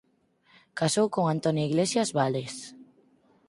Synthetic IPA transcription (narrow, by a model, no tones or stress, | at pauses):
kasowkoŋant̪onjoiɣlesjazβales